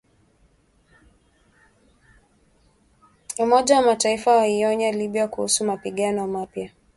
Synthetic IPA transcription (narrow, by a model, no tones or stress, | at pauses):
umɔʄawamataifawaiɔɲaliɓjakuhusumapiɠanɔmapja